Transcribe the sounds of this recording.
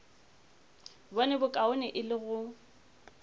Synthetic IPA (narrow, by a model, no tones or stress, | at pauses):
bɔnɛbʊkʼaʊnɪʔɪlɪɣʊ